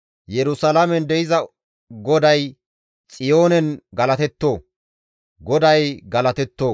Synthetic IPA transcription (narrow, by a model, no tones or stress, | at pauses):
jɛɾʊsɐlamɛnd̪ɛɪzɐ | ɡɔd̪ɐj | t͡sʼɪjo̞ːnɛnɡɐlɐt̪ɛt̪ːoː | ɡɔd̪ɐjɡɐlɐt̪ɛt̪ːoː